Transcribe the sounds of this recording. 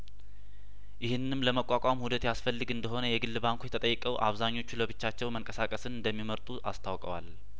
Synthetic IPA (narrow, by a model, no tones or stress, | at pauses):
jɪhɨnːɨmləməkʼːakʼamhud̪ət̪jasfəlːɨɡɨnd̪əɦo̞nəjɛɡɨlːɨβaŋkʰʷujɛt̪ʰət̪ʼəjːɛkʼəwʔa̰βzaɲːo̞t͡ʃːuləbɨt͡ʃːat͡ʃːɛwməŋkʼəsakʼəsɨnɨnd̪əmːiməɾt̪ʼuʔast̪ʰawkʼəwa̰l